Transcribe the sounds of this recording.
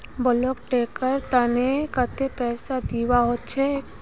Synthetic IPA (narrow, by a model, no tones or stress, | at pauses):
bəlokʈeːkəɾt̪anekət̪epɛːsad̪iːwaɦot̪t͡ʃʰɛ